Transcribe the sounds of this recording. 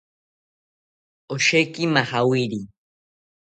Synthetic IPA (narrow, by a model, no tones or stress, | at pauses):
oʃejkimahawiɾi